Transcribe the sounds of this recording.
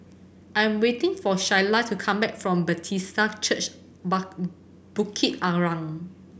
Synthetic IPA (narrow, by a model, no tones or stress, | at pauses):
ʔãjɛ̃mwetĩŋfɔʃajlatʰukʰãmbɛk̚fɹɔ̃mbətʰistat͡ʃət͡ʃ | ba | b̥ukʰit̚aɹãŋ